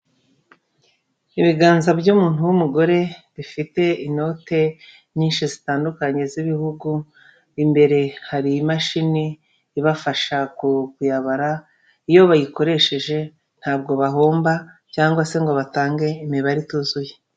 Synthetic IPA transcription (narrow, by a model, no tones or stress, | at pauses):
iβiɡaːnzabɟumuːn̥uwumuɡo̞ɾe̞βifite̞ino̞te̞ | ɲiːnʃizitaːndukaɲe̞ziβihuɡu | imbe̞ɾe̞haɾiimaʃiniː | βafaʃakukujaβaɾa | ijo̞βajiko̞ɾe̞ʃe̞ʒe̞ | n̥haːb̚ɡo̞βaɦo̞ːmba | caːŋɡwase̞ŋɡo̞βataːŋɡe̞imeβaɾituzuje